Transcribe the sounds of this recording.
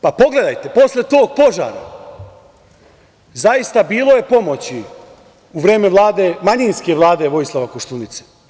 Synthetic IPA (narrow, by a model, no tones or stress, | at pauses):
papo̞ɡle̞d̪ajt̪e̞po̞slʲet̪o̞ːɡ̚po̞ʒa̰ːɾa̰ | zajist̪abiːlˠo̞je̞po̞mo̞t͡ɕi | uʋɾe̞ːme̞ʋlˠaːd̪e̞maɲinske̞ʋlˠaːd̪e̞ʋo̞jislˠaʋakoʃt̪unit̪se̥